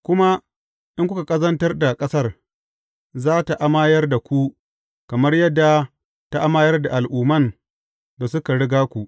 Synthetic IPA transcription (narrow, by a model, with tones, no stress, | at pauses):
kʷʊ˦ma˦ | ɗɪ˦ŋkʷʊ˦ka˨kʼɐ˦zɐ˦ntɐ˦rda˨kʼɐ˦sɐ˦r | zaː˦ta˨ʔa˦maː˦jɐ˦rda˨kʷu˦ | kɐ˨mɐ˦rjɐ˦dːa˨ | ta˦ʔa˦maː˦jɐ˦rda˨ʔa˨lʔuː˨mɐ˦˨n | da˨sʊ˦ka˨ɽɪ˦ɡaː˦kʷu˨ʔ